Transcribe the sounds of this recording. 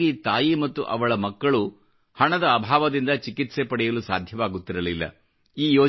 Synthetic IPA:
it̪aːjimɐt̪ːuʔɐ̰ʋɐɭɐmɐkːɐɭu | hɐɳɐd̪ɐːbʱaːʋɐd̪ind̪ɐt͡ʃikit̪sepɐɽɛjɐlusa̰ːd̪ʱjɐʋaːɡut̪ːiɾɐlilːɐ̰ | iːjoː

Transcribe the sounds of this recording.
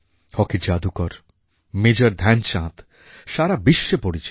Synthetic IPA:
hɔkid͡ʑad̪ukɔɾ | med͡ʑoɾd̪ʱɛnʃãt̪ | ʃaɾabiʃːepoɾit͡ɕ

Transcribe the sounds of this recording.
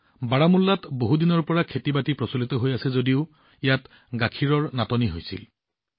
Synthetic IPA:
baɹamulːatboɦudinɔɹpɔɹakʰetibatipɹɔsulitɔɦojasɛzodiʊ | ijat | ɡakʰiɹɔɹnatɔniɦojsḭl

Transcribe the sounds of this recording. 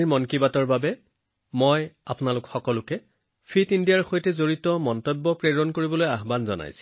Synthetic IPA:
ɹmɔnkibatɔɹbabɛ | mojapʊnalʊkxɔkɔlʊkɛ | pʰitindijaɹxojtɛzoɹitɔmɔntɔbːɔpɹeɹɔnkoɹibɔlojaɦbanzɔ̰na̰jsi̥

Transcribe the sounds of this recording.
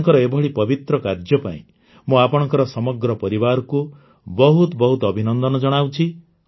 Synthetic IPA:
ŋkɔɾɔebʱɔɽipɔbit̪ɾɔkaɾd͡ʒjɔpa̰ḭ̃ | muapɔɽ̃ɔŋkɔɾɔsɔmɔɡɾɔpɔɾibaɾɔku | bɔɦut̪bɔɦut̪ɔbʱinɔnd̪ɔnɔd͡ʒɔɽ̃awt͡ʃʰi

